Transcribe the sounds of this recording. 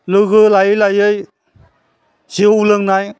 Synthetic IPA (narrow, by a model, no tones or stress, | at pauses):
lɯɣɯlajɯjlajɯj | zeulɯŋnaj